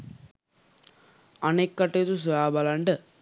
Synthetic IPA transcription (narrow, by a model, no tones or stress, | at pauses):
ɐnekːɐʈːet̪us̬ujaːbɐlɐɳɖɨ